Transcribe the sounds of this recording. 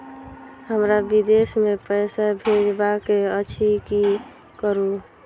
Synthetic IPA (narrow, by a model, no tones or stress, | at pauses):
həmɾabid̪esmepəɪsabʱeɾbakeət͡ʃʰiki | kəɾu